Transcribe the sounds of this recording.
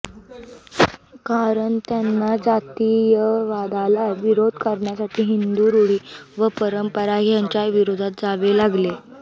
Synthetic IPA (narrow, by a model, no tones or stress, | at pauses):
kaɾəɳt̪janːad͡zat̪ijəʋad̪alaʋiɾod̪ʱkəɾɳjasaʈʰiːɦind̪uːɾuɽiːʋəpəɾəmpəɾaɦjaɲt͡ɕjaʋiɾod̪ʱat̪̚d͡zaʋelaɡle